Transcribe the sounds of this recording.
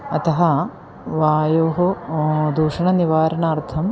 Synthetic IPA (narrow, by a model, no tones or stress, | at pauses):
ɐt̪ɐɦɐ | ʋaːjoːɦɐd̪uːʂɐɳɐniʋaːɾɐnaːɾt̪ʰɐm